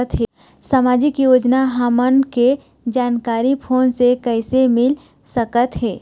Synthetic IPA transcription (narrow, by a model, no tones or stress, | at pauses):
ət̪ɦɛ | samaːd͡ʒɪkjoːd͡ʒnaɦaːmənke | d͡ʒaːnkaːɾipʰoːnsekɛɪsemɪl | səkət̪ɦɛː